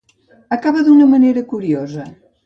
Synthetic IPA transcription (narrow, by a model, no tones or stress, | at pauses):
ɐkaβɐðunɐmɐneɾɐkuɾiɔzɐ